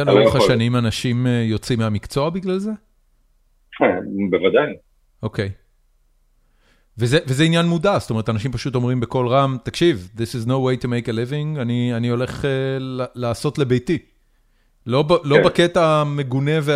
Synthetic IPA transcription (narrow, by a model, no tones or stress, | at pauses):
aloχaʃanimanaʃimejo̞t͡simeamikt͡so̞abiɡlalze | kʰɛbevad̪aj | ʔokej | vezevezeinjanmudastome̞ʁt̪anaʃimpaʃuto̞mʁimbeko̞lʁamt̪akʃivðisiznowejtumejkelivĩŋɡanianio̞le̞χelalaːso̞tle̞bejti | lo̞balobaketame̞ɡune̞ve